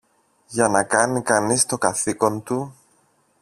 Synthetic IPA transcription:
ʝɐnɐkɐnikɐnist̪o̞kɐθiko̞nt̪u

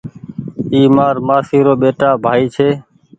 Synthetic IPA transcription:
iːmaːɾmaːsiːɾoːɓeːʈaːbʱaːiːt͡ʃʰeː

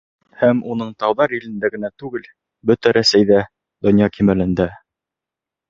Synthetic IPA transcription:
hæmunɤɴt̪ɑwðɑɾĭlɘ̆nd̪æɡɘ̆næt̪ʉɡɘl | bɵt̪æɾæsæjðæ | d̪ŏnjɑkimælɘ̆nd̪æ

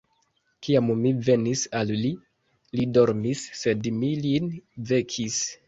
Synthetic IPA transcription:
kiammive̞nisalli | lido̞ɾmisːe̞dmilinve̞kʰis

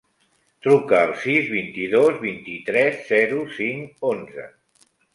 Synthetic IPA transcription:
t̪ɾukəːlˠsizβint̪iðozβint̪it̪ɾɛzːɛɾusiŋonzə̰

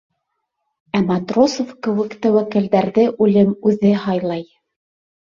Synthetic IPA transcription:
æmɑt̪rosofkɘ̆wɘ̆kt̪æwækɘ̆ldæɾðɘʔʉlɘmʉðɘhɑjlˠɑj

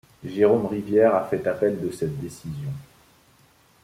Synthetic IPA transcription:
ʒeʁomʁivjɛʁafɛt̪apɛld̪əsɛt̪̚d̪esizjɔ̃

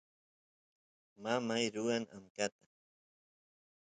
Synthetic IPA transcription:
mamajɾʊaŋʔa̰mkat̪ḁ

